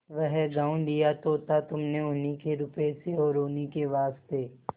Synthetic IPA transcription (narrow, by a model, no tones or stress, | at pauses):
ʋəɦɡãːũd̪ijat̪ot̪ʰat̪ʊmneʊnikeɾʊpeseɔːɾʊnikeʋaːst̪eː